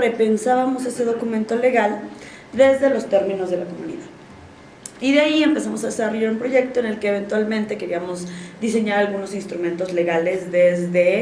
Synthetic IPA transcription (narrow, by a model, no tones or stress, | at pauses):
ɾe̞pe̞nsaβamo̞se̞se̞ð̞o̞kumẽnt̪o̞le̞ɣal | d̪e̞zðe̞lo̞st̪e̞ɾmĩno̞zðe̞lako̞mũnḭðað | iðeaie̞mpe̞samo̞saðe̞saro̞ʝaɾumpɾo̞ʝe̞k̚t̪o̞ene̞lke̞ːβent̪walmẽ̞nt̪e̞ke̞ɾiamo̞zðise̞ɲaɾalɣuno̞sinst̪ɾumẽnt̪o̞zle̞ɣale̞zðezðe̞